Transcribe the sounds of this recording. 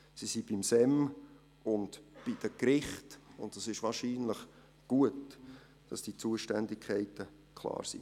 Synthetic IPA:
sisib̥imsɛm | ʊndb̥id̥əkɾɪχtʊ̰nt̚d̥ɑsɪʃʋɑːɾʃiːnləχ | ɡ̥uət | d̥ɑsd̥it͡suəʃtɛndɪkʰχɛɪtə | kʰlˠɑ̰ːɾsḭ

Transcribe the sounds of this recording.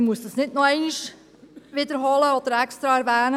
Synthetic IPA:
muəsdɑsnɪdnɔɛɪniʃ | ʋɪd̪əɾɦɔləɔd̥̪əɾɛkst̪ɾɑæɾʋæːnə

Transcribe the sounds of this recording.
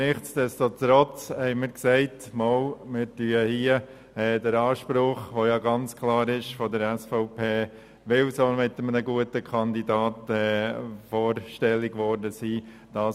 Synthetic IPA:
nɪχtsd̥ɛstotɾɔt͡shɛɪmɪːɾksɛɪt | molmɪɾtyəhiːə | ɛːdəɾɑːʃpɾʊχʋojɑɡɑnt͡skʰlɑːɾɪʃfɔdəɾɛsfɔʊpʰeː | ʋɪlsɔlmɪtəmənəɡuətəkʰɑndidɑːtɛːfɔːɾʃtɛlːɪɡʋɔɾdəsiː | d̥ɑː

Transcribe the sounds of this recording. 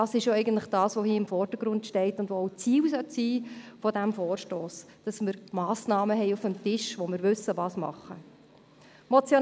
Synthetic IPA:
d̥ɑsɪʃoɛɪɡən̩tləχd̥ɑːsʋohiːɪmfɔrd̥əɾɡ̥ɾʊntʃtɛɪtʊndʋoɔwt͡siːwsœtsiːfɔdæmfɔːɾʃtoːs | d̥ɑsmɪɾmɑːsnɑːməɦɛɪufəmtɪʃʋɔmɪɾʋʉsːəʋɑːsmɑ̰χːə | mɔt͡sjo

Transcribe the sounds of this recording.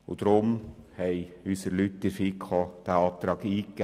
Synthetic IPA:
ʊd̪̥ɾʊmhɛɪyːsəɾlytːɪɾfiːkʰɑːd̥æɑːt̪ɾɑːɡiːk

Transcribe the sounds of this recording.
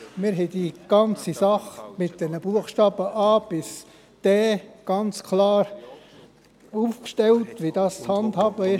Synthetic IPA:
mɪːɾɦɛd̥iɡ̥ɑnt͡sisɑχmɪt̚d̥ɛnəbuəχʃtɑːb̥əʔɑːb̥ɪs | d̥ɛːɡ̥ɑnt͡skʰlɑːɾ | uːfkʃtɛltʋid̥ɑːst͡shɑndhɑːbəɪ

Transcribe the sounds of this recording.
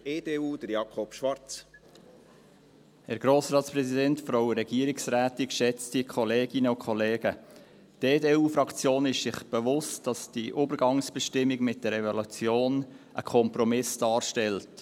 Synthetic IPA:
eːdeːuːd̥̪əɾjɑkʰɔpʃʋɑɾt͡s | hɛɾɡɾoːsɾɑːt̪spɾɛsidɛntfɾoʊɾɛɡ̥iəɾɪksræːtikʃɛt͡stikʰɔleːɡ̥ɪnəʊkʰχɔleːɡə | teːdeːuːfɾɑkt͡sjoːnɪʃsɪχb̥əvʊstd̥ɑsd̥iʔʊːbəɾɡɑŋsb̥ɛʃtɪmːiɡmɪt̚d̥ɛɾɛvolut͡sjoːnʔəkʰɔmpɾɔmɪsd̥ɑːɾʃtɛlt

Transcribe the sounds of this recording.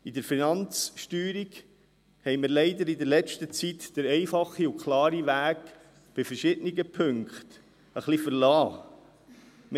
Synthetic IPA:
id̪əɾfinɑnt͡sʃtyːɾiɡ | hɛjmɪɾlɛɪd̪əɾid̪əɾlɛt͡ʃtət͡sit̪d̥əɾɛɪfɑχːiʊkχlɑːɾiʋæːk | b̥ɪfəɾʃɪd̪əniɡəpʰɵŋkχt̪ | əχlifəɾlɑː | m

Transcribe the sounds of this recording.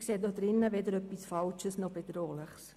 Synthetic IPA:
kseːdodɾɪnːəʋedəɾœpːisfalt͡ʃəsnɔb̥edɾoːlɪχs

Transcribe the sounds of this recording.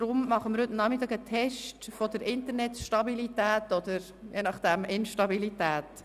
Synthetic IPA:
d̥ɾʊmmɑχəməɾhɵtnɑːχmɪt̪ːɑːɡətʰɛʃtfod̪əɾɪnt̪əɾnɛtʃtɑbilitæːtɔd̪əɾ | jeːnɑχd̥ɛmɪnʃtɑbilitæːt

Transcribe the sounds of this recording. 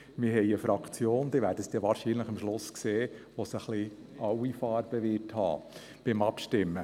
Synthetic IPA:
mɪɾɦɛɪəfɾɑkʰt͡sjoːnd̪ɪʋæːɾdəsd̪̥ɛʋɑːɾʃiːnləχəmʃlʊskseːʋosəχli | ʔɑwifɑːɾb̥əʋɪrthɑ̰ː | b̥ɪmɑpʃtɪmːə

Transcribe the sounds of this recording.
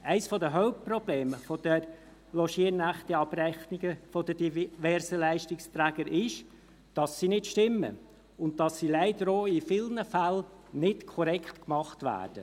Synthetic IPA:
æɪsfɔdəɦœʊp̚prɔb̥leːməfɔd̥ɛɾ | lɔʃiənæχtɛɑb̥rɛχniɡəfɔd̥əd̥ivɛɾsəlæɪʃtɪkst̪ɾæːɡəɾʔɪʃ | d̥ɑsːinɪtʃtɪmːə̰ | ʊnt̚tɑsːilæɪdəɾoːifɪlnəfælnɪtkʰɔɾɛktkmɑχtʋæ̰ːd̥ə

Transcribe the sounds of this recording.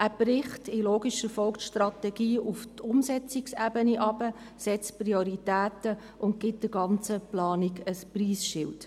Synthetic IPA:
ʔæb̥rɪχtɪloːɡiʃəfɔlktʃtrɑtɛɡiːʔuftʰʊmsɛt͡siksæːbəniʔɑb̥ə | sɛt͡sprioɾitæːtə | ʔʊntɡɪt̚d̥ɪɡɑnt͡səplɑːniɡəspriːsʃɪlt

